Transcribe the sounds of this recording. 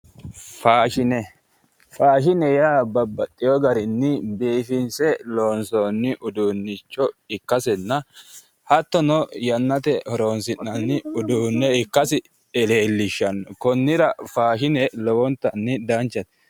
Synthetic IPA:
faːʃɪnɛ | faːʃɪnɛjaːbɐbːɐt̪ʼːɪjɔɡɐɾɪnːɪbeːfɪnsɛloːnsoːnːɪʔʊd̪uːnːɪt͡ʃːɔɪkːɐsɛnːɐ | hɐt̪ːɔnɔjɐnːɐt̪ɛhɔɾoːnsɪnːɐnːɪʊd̪uːnːɛɪkːɐsɪ | ɛle̞ːlːɪʃːɐnkɔnːɪɾɐfaːʃɪnɛlɔwɔnt̪ːɐnːɪd̪ɐnt͡ʃːɐt̪ɛ̥

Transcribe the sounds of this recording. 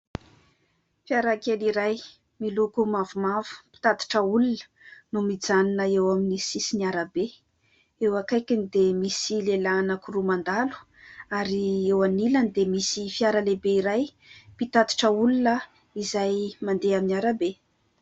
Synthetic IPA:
fiaɾakeliɾaj | milukumavumav̥u̥pi̥t̪at̪i̥ʈ͡ʂəulunə̥ | numid͡zaninəewaminisisiniaɾabe | ewakajkinid̪emisilelanəkurumand̪alu̥ | aɾiewanilənd̪emisifjaɾəlebeiɾaj | pit̪at̪i̥ʈ͡ʂəulunə | izajmand̪eaminaɾabe

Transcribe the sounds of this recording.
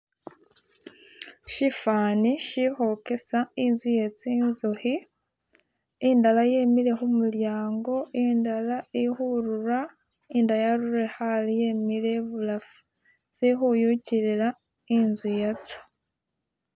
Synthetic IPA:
ʃifaniʃixokesainzujet͡sinzuxi | indalajemiɾe̞xumuljaːŋɡo̞indalaixuɾuɾa | indajaɾuɾexalijemiɾe̞βulafu | zixujuciɾiɾa | inzijet͡si̥

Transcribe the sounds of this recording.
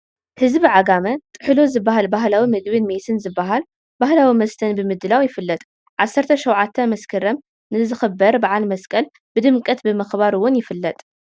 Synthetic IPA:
hɨzbiʕaɡamɐt̪ʼɨħɨlozɨbːaɦalbaɦlawimɨd̪bɨnmet̪ʰɨnzɨbːaɦal | bahlawimɐst̪ʰɐnbɨmɨd̪ːɨlawjɪfɨlːɐt̪ʼ | ʕasːɐɾt̪ʰɐʃɐwʕat̪ʰːɐmɐskʰɐɾɐm | nɨzɨxɨbɐɾbaʕalmɐskʼɐl | b̥ɨd̪ɨmkʼɐt̪bɨmɐxbaɾɨwːʊnjɪfɨlːɐt̪ʼ

